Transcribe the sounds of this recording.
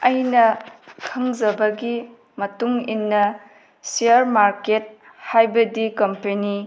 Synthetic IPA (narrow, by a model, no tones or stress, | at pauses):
ɐjnɐkʰɐŋzɐbɐɡi | mɐtuŋinːɐ | seɐɾmaɾket̚ | hajbɐdikɐmpeni